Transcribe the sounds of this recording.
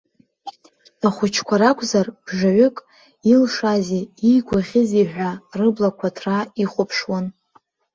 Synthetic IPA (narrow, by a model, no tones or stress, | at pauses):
aχʷʊt͡ʃʰkʷʰaɾakʷʰʼzarb̥ʐaʕʷʊkʼ | ilʂazeijɡʷaχʲɪziħᶣʷarɨblakʷʰatʰraiχʷʊpʰʂwan